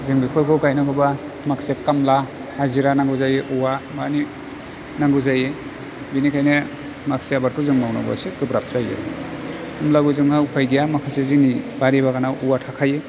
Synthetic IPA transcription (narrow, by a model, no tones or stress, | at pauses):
zɯŋbikʰɔjkʰɔkajnɔkɯba | makʰsekamla | haziɾanaŋɡuzajeʔuwamani | naŋɡuzaje | binikʰajne | maksiabaɾ̚kʰɯzɯŋmawna̰ba̰seɡɯbɾap̚zajḛ | umlaɡɯzɯŋhawkʰajɡijamakʰasezinibaɾibakanawuwatʰakʰaje